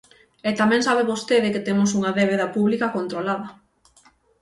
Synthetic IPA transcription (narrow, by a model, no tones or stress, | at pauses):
ɛt̪amɛ̃ŋsaβeβost̪eðɪkɪt̪emʊsuŋɐðeβeðɐpuβlikɐkont̪ɾolaðɐ